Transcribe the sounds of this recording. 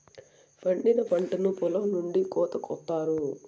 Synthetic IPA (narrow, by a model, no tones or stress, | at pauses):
pɐɳɖinɐpɐɳʈɐnupɔlɐmnuɳɖikɔːt̪ɐkɔt̪ːaːɾu